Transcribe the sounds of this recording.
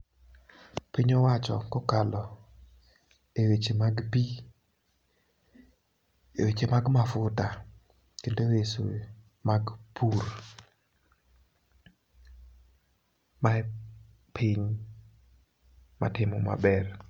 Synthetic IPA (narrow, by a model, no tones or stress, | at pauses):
piɲɔwat͡ʃɔ̰kɔkalɔ | ewet͡ʃemaɡpi | ewet͡ʃemaɡmafʊta | kendoweso̰ | maɡpʰur | ma | pʰɪɲ | ma̰tɪmɔma̰bɛr